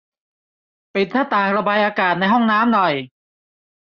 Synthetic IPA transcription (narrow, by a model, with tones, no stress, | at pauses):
pe˨˩t̪̚nʰaː˥˩t̪aː˨˩ŋɾa˧baː˧jʔaː˧kaː˨˩t̪̚na˧jɦɔ˥˩ŋnaː˦˥mnɔ˨˩j